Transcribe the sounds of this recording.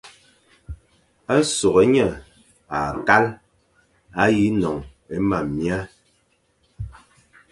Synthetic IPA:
a˦so˨ɣe˨˦ɲə˨ | a˨ka˦l | a˦ji˨˦nɔ˨ŋ | e˦ma˨mːja˦

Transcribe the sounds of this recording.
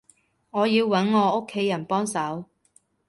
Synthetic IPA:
ŋɔː˨˧jiː˧wːɐ˨˥nŋɔː˨˧o˥kʰːe˨˥jːɐ˨˩npɔː˥ŋsɐ˨˥w

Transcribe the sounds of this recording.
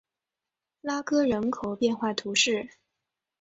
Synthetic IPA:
la˥kɤ˥ɻə˧˥nkʰo˨˩ʊpjɛ˥˧nxwa˥˩t̪ʰu˧˥ʂɻ̩˥˩

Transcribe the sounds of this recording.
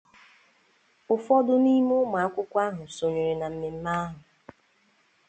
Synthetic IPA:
ʊ˨fɔ˦dʊ˦ni˦mʊ˦ma˨a˦kʷʊ˦kʷa˦ɦʊ˨so˨ɲe˨ɾe˨na˨m̩˦me˨m̩˦ma˦ɦʊ˨

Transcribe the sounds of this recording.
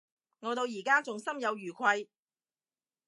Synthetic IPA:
ŋɔː˨˧t̪o˧wjiː˨˩kaː˥t͡sʊ˨ŋsɐ˥mjɐ˨˧wjyː˨˩kʰʷɐ˧j

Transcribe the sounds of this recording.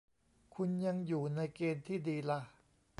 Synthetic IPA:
kʰu˧nja˧ŋjuː˨˩na˧jkeː˧nt̪ʰiː˥˩diː˧la˦˥ʔ

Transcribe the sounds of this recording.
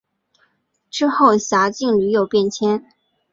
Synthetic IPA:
ʈ͡ʂɻ̩˥xo˥˩ʊɕja˧˥t͡ɕi˥˩ŋly˧˥jo˨˩ʊpjɛ˥˩nt͡ɕʰjɛ˥n

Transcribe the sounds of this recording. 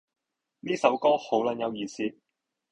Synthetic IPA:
niː˥sɐ˨˥wkɔː˥ho˨˥wlɐ˨˥njɐ˨˧wjiː˨˧siː˥

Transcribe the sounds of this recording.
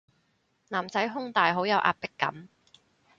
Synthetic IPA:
naː˨˩mt͡sɐ˨˥jɦʊ˥ŋt̪aː˨jɦo˨˥wjɐ˨˧wʔa̰ː˧p̚pɪ˥kːɐ̰˨˥m

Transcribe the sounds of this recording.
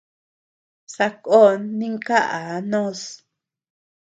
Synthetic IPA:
sa˧ko˦nːĩ˦ŋka˦ʔa˨˦nõ˦s

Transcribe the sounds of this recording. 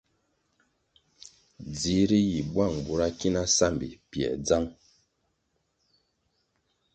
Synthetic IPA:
d͡zi˨˦ɾi˦ji˨bwa˦˨ŋ˨bu˨ɾa˦ki˦na˦sa˦˨mbḭ˨pjɛ̰˨d͡za˦ŋ

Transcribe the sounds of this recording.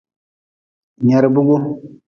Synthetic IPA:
ɲa˨ɾbu˦ɡu˦

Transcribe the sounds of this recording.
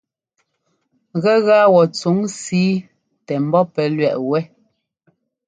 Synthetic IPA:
ɣɛ˦ɣa˦wɔ˨t͡su˨˦ŋsiː˨˦ | tɛ˨m̩˨bɔ˦pɛ˨˦lɥɛ˨ʔwɛ˦

